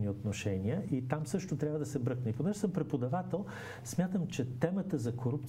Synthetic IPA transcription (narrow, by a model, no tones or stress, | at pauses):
niot̪noʃɛniəʔit̪amsɤʃt̪ot̪ɾʲavəd̪ɐsɛbɾɤknəiponɛʒɪsəmpɾɛpod̪ɐvat̪ɛlˠ | smʲjat̪əmt͡ʃɛt̪ɛmət̪əzɐkoɾupt̪